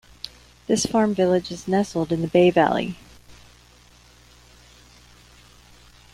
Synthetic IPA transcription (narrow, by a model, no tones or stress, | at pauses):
ðɪsfɑɹɱvɪlˠɨd͡ʒɨznɛsl̩ˠdɨ̃nðɨbeɪvæ̰lˠḭ